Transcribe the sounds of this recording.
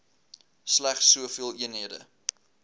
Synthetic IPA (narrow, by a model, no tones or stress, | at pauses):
slæχsːuəfiəlˠiənɦiədə̰